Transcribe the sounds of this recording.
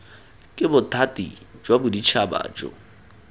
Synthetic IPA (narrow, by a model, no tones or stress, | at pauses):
kʼɪbʊtʰʼatʼḭd͡ʒwabʊdit͡ʃʰaba̰ːt͡ʃʼɔ̰